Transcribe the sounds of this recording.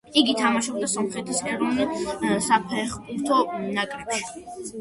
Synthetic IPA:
iɡit̪ʰamaʃɔb̚d̪asɔmχɾɛt̪ʰisɛɾɔnsapʰɛχbʰuɾt̪ʰɔnakʼɾɛpʃi

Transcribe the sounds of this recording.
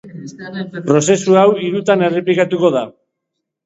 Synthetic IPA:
pɾo̞se̞suawiɾut̪ane̞replikat̪uko̞ð̞a

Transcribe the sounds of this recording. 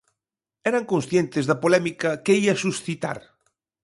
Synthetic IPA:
ɛɾɐŋkõnsθjent̪ɪzðɐpolɛmikɐkeiɐsusθit̪a̰ɾ

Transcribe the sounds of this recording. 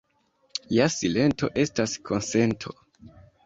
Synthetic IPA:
jasile̞nto̞̰ʔe̞staskʰo̞nse̞ntʰo̞̰

